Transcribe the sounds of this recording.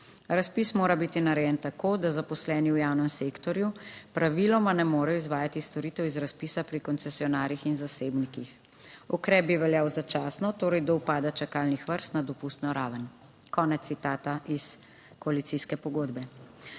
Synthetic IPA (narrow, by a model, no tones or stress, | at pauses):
ɾaspismoːɾabit̪inaɾɛjɛnt̪akoːd̪azapɔslɛːniwjawnɛmsekt̪ɔɾjupɾaʋilɔmanɛmoːɾɛjɔizʋaːjat̪ist̪ɔɾiːt̪ɛwizɾaspiːsapɾikɔnt̪sɛsiɔnaːɾjixinzaseːbnikix | ɔkɾɛːb̚biʋɛljaːwzat͡ʃaːsnɔt̪oːɾɛjd̪ɔwpaːd̪at͡ʃakalnixʋəɾst̪nad̪ɔpust̪nɔɾaːʋən | kɔːnɛt̪ːit̪aːt̪aʔis | kɔalit̪siskɛpɔɡoːd̪bɛ